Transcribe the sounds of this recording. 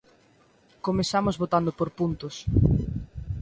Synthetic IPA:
komesamozβot̪and̪opoɾpunt̪ʊs

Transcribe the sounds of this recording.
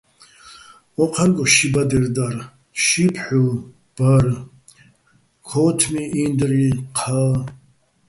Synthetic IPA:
wɔqʰanɡʼɔʃibad̪ɛrd̪ar | ʃipʰħu | b̥ar | kʰɔt̪ʰmiʔind̪riqʰa

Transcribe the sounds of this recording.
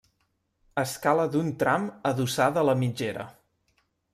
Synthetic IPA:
əskaləðunt̪ɾaməðusaðələmid͡ʒeɾə̰

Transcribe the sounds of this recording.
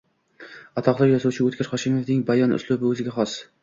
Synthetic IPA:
ɑt̪ʰɑqlˠɑjɒsuwt͡ʃʰɪøt̪kʲɪɾχɑʃimofd̪ɪŋbɑjɑny̰slˠʊbɪɵzɪɡʲɛχɑs

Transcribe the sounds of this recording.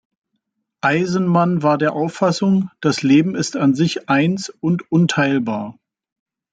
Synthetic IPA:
ʔaɪzn̩manvaːɐdeːɐʔaʊfːasʊŋd̥asleːbm̩ɪstanzɪçʔaɪnsʊntʔʊntʰaɪlbaːɐ

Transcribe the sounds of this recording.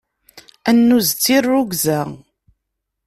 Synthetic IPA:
ænːuzt͡sːirːʊɡzæ

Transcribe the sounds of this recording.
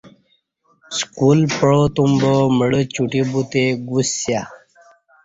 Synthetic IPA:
skuːlpəɭot̪umboməɽət͡ɕuʈibut̪eɡusːja

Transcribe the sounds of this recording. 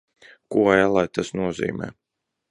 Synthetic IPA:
kujalˠajt̪asnuɔzḭːmɛ̰ː

